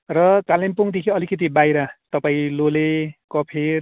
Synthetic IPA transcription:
rʌkalempuŋd̪ekʰiʌlikʌt̪̬ibajɾat̪ʌpaĩlolekʌpʰeɾ

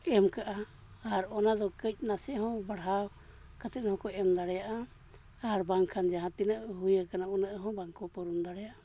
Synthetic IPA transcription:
ɛmkaʔa | aɾɔnad̪ɔkəc̚ˀnasɛʔhɔ̃baɽɦaw | kat̪ɛnhɔ̃kɔɛmd̪aɽɛjaʔa | aɾbaŋkʰand͡ʒaɦãt̪inaʔɦujəkanaunəʔɦɔ̃baŋkɔpɔɾund̪aɽɛjaʔa

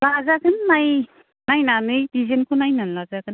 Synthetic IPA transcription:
lazaɡɯnːaj | najnanɯjbizenkʰunajnanlazaɡɯn

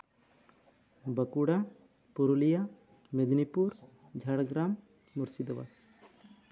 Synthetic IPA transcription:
bəkuɽa | puɾulija | med̪nipuɾ | d͡ʒʱaɽɡɾamː | uɾsid̪ɔwa̰

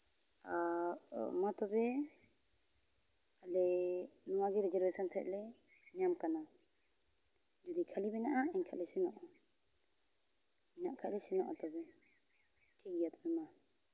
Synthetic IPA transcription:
a | mat̪ɔbɛ | alɛnɔwaɡɛɾɛd͡ʒɔɾbɛsɔnt̪ʰɛʔ̚lɛnɛjamkana | d͡ʒud̪ikʰalibɛnaʔaɛɲkʰa̰ʔlɛsinɔʔɔ | ɛnaʔkʰa̰ʔlɛsinɔ̰ʔɔ̰t̪ɔbɛ | kɛɡijat̪ɔbɛma

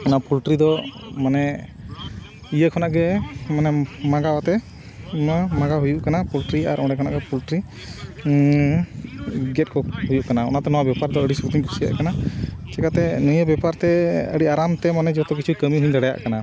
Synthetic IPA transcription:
ɔnapʰulʈɾid̪ɔ | manɛ | ijəkʰɔnaʔɡɛmanɛmaɡawat̪ɛ | əmaɡaɦujuʔkanapulʈɾiaɾʔɔ̃ɖɛkʰɔna̰ʔɡɛpulʈɾi | ɡɛt̪̚kɔhujuʔkanaɔ̰nat̪ɛnɔwabjɛpaɾd̪ɔəɽisut̪iɲkʰu̥sija̰ʔkanat͡ʃɛkat̪ɛnujəbjɛpaɾt̪ɛə̰ɽiaɾamt̪ɛmanɛd͡ʒɔt̪ɔkit͡ʃʰukəmiɦuɲd̪aɽɛja̰ʔkana

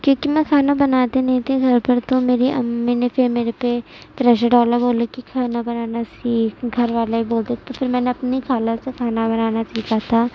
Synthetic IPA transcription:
kjõːkimɛ̃kʰaːnabɐnaːt̪enɐɦĩt̪ʰeɡʱɐɾpɐɾt̪omeːɾiʔmɛːnepʰeɾmeːɾepe | pɾɛːʃəɖɔːləɾboːlekikʰaːnabɐnaːnasiːkʰɡʱɐɾʋaːlaiboːld̪etʰt̪opʰɪɾmɛ̃ːneɐpnikʰaːləsekʰaːnabɐnaːnasiːkat̪ʰaː

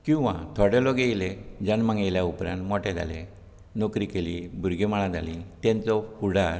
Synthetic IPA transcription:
kĩw̃ʋã̰t̪ʰɔɽelɔɡejled͡ʑanmãŋɡajljaupɾãnt̪mɔʈɛd͡zʱa̰le | nɔkɾikelibʱuɾɡemaɭãd͡zʱalĩt̪ɛ̃nt͡sɔfuɽaɾ

